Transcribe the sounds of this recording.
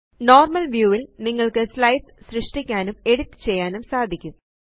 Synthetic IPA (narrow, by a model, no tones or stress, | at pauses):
no̞ːrmɐlʋjuːʋilniŋːɐɭkɨslɐjsɕrɨʂʈikʲːaːnume̞ɽut̪ːɨ̥t͡ɕe̞jːaːnumsaːd̪ʱikʲːum